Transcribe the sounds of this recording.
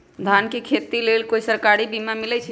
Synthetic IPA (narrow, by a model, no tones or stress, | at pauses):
d̪ʱankekʰet̪ilelkoisəɾkaɾibimamilɛt͡ʃʰ